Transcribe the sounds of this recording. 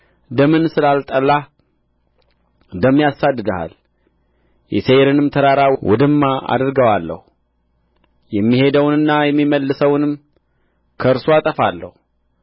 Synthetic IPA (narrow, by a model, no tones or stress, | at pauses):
d̪əmɨnsɨlalt̪ʼəlːa | d̪əmːijasad̪ːɨd̪əha̰l | jɛ̰seɾɨnɨmt̪ʰəɾaɾawṵd̪ɨmːaʔa̰d̪ɨɾɡəwalːə̰hu | jɛmːihe̞d̪əwnɨnːajɛmːiməlːɨsəwnɨm | kʰəɨɾsoat̪ʼəfalːə̰h